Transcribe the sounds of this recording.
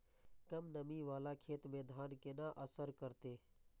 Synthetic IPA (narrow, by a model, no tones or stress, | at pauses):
kəmnəmiʋaːlakʰeːt̪mẽd̪ʱaːnkenaʔəsəɾkəɾt̪eː